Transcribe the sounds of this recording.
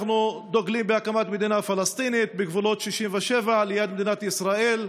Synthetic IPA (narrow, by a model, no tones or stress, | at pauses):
χnud̪oɡlimbeakamat̪med̪inafalast̪init̪̚beɡvulo̞t̪ʃiʃimveʃevalejad̪med̪inat̪isʁael